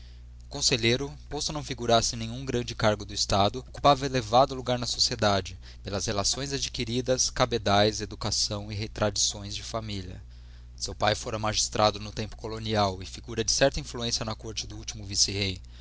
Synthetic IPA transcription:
ʊkõseʎejɾʊpost̪ʊnɐ̃w̃fiɡuɾaɾsɪnẽɲ̃ũɡɾɐ̃nd͡ʒɪkaɾɡʊd̪ʊist̪ad̪ʊoku̥pavɐelevad̪ʊluɡaɾnɐsosied̪ad͡ʒɪ | pelɐzhelasõj̃zad͡ʒikiɾid̪ɐskabed̪ajzed̪ukasɐ̃w̃ɪɦet̪ɾad͡ʒisõj̃zd͡ʒɪfamiʎiɐ̰ | sewpajfoɾɐmaʒist̪ɾʔad̪ʊnʊt̪ẽmpʊ̥koloniawɪfiɡuɾɐd͡ʒɪsɛɾt̪ɐĩfluẽsijɐnɐkoɾt͡ʃɪd̪ʊut͡ʃimʊvisihej

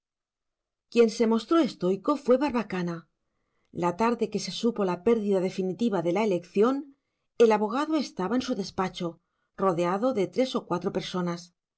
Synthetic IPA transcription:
kje̞nse̞mo̞st̪ɾo̞e̞st̪o̞jko̞fwe̞βaɾβakana | lat̪aɾðe̞ke̞se̞supo̞lape̞ɾðiðaðe̞finit̪iβaðe̞laele̞kθjo̞n | e̞laβo̞ɣ̞aðoe̞st̪aβaensuðe̞spat͡ʃo̞ | ro̞ðeaðo̞ðe̞t̪ɾe̞so̞kwat̪ɾo̞pe̞ɾso̞nas

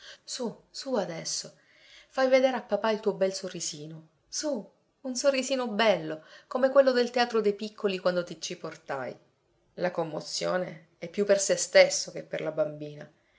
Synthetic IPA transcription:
susuad̪ɛsːo | fajved̪eːɾeapːapailt̪uːobɛlsorːisiːno | su | unsorːiziːnobɛlːokomekwelːod̪elt̪eaːt̪ɾod̪ejpikʰːolikwand̪ot̪it͡ʃiport̪a̰j | lakomːot̪sːjoːne | ɛpːjupːersest̪esːok̟epːerlabambiːna

